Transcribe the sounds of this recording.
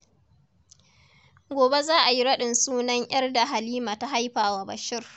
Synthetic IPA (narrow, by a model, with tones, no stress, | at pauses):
ɡʷoː˨be˦zaː˦ʔa˨ji˦ɽɐ˦ɗɪ˨nsuː˦nɐ˦ɲj̰ɐ˦rda˨ɦa˨liː˦maː˨ta˦ɦa˦jɸaː˨wa˦bɐ˨ʃɪ˦r